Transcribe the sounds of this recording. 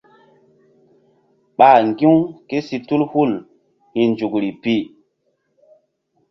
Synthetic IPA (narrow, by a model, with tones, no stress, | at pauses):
ɓa˨ŋɡĩ˦wke˦si˨tu˦lhu˦˨l | hi˨nd͡ʒu˨kɾi˨pi˦